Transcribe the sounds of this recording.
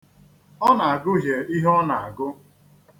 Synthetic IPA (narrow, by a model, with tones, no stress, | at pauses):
ɔ˦na˨a˨ɡʊ˦ɦje˨i˦ɦɔ˦na˨a˨ɡʊ˦